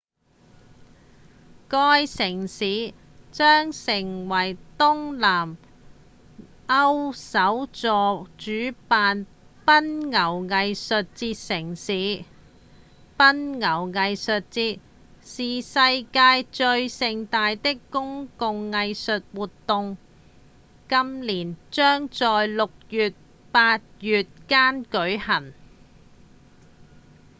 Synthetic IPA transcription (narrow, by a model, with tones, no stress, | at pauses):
kɔː˥jsɪ˨˩ŋsiː˨˥ | t͡ʃœː˥ŋsɪ˨˩ŋwɐ˨˩jt̪ʊ˥ŋlaː˨˩m | ɐ˥wsɐ˨˥wt͡sɔː˨t͡ʃyː˨˥paː˨˧n | pɐ˥nŋɐ˨˩wŋɐ˨˧jsɵ˨t̚t͡siː˧t̚sɪ˨˩ŋsiː˨˥ | pɐ˥nŋɐ˨˩wŋɐ˨jsɵ˨t̚t͡siː˧t̚ | siː˨sɐ˧jkaː˧jt͡ʃɵ˧ɥsɪ˧ŋt̪aː˧jt̪ɪ˥kːʊ˥ŋkʊ˨˧ŋːɐ˧jsɵ˨t̚wuː˨t̪ːʊ˨˧ŋ | kɐ˥mliː˨˩nt͡ʃœː˥ŋt͡sɔː˨jlʊ˨k̚jyː˨t̚ | paː˧t̚jyː˨t̚kaː˥nkɵ˨˥ɥhɐ˨˩n